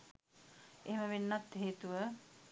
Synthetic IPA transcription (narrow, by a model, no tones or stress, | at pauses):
eɦeməʋenːat̪ɦeːt̪uʋə